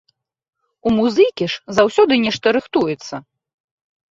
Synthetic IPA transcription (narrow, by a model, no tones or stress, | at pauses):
umuzɨkʲiʂzawsʲɔd̪ɨnʲɛʂt̪ɐɾɨxt̪ujɛt̪sːɐ